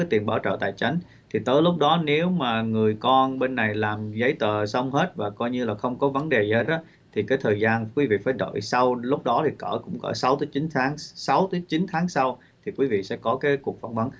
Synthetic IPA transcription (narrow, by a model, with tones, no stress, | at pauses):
aː˨˦jt̪i˨˩ənɓaː˧˩wt͡ɕə̰ː˧˨˩t̪a̰ː˧˨jt͡ɕa˨˦jŋ̟ | t̪ʰi˨˩t̪əː˨˦jlʊ˦˥k͡p̚ɗɔ˨˦ne˨˦wmaː˨˩ŋɨ˨˩əjkɔ˧nɓe˧nːa˨˩jlaː˨˩mzə˨˦jt̪əː˧˨˩sə˧wŋ͡mhe˦˥t̚vaː˨˩kɔ˧jɲɨ˧laː˨˩xə˧wŋ͡mkɔ˨˦və˨˦nɗe˨˩zə˨˦˥t̚ɗɔ˨˦ | t̪ʰi˨˩kaː˨˦jt̪ʰəː˨˩jzaː˧nkwi˨˦vḭ˧˨faː˧˩jɗə̰ː˧˨jsa˧wlʊ˦˥k͡p̚ɗɔ˨˦t̪ʰi˨˩kə̰ː˧˩kʊ̰˧˥ŋ͡mkə̰ː˧˩sa˨˦wt̪əː˨˦jt͡ɕi˨˦nt̪ʰaː˨˦ŋsa˨˦wt̪əː˨˦jt͡ɕi˨˦nt̪ʰaː˨˦ŋsa˧w | t̪ʰi˨˩kwi˨˦vḭ˧˨sɛ̰˧˥kɔ˨˦kaː˨˦jku˨˩ək̚faː˨˩t̚va˨˦n